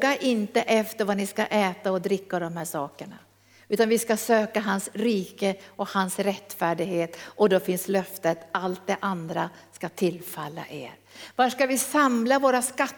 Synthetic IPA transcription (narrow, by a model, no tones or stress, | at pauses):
ɡaʔɪnt̪əʔɛft̪əɾvanɪska̰ʔɛːt̪aɔd̪ɾɪkːad̪ɔmhæːʂɑːkəɳa̰ | ʉ̟ːt̪anvɪskasøːkaɦansɾiːkəɔkhansɾɛt̪ːfæːɖɪɡheːt̪ɔd̪ɔfɪnslœft̪ət̪alt̪̚d̪ɛʔand̪ɾaskat̪ʰɪlfalːa̰ʔḛːɾ | vaʂkavɪsamlavoːɾaska